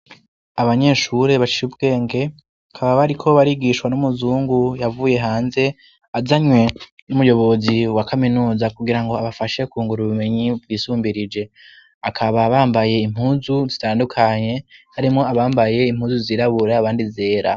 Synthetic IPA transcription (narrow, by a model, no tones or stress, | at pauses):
aβaɲe̞ːʃuɾe̞βat͡ʃi̥ɾubɡe̞ːŋɡe̞ | akʰaβaβaɾikʰo̞βaɾiɡiʃwanumuzuːŋɡujavuːje̞ɦaːnze̞ | azaɲwe̞numujo̞βo̞ziwakʰaminuːzakuɡiɾaŋɡo̞aβafaʃe̞kuːŋɡuɾuβume̞ɲib̚ɡiːsuːmbiɾid͡ʒe̞ | akʰaβaβaːmbaje̞im̥huːnzuzitaːndukʰaɲe̞haɾimŋo̞aβaːmbaje̞im̥huːzuziːɾaβuɾaːβaːndize̞ːɾa̰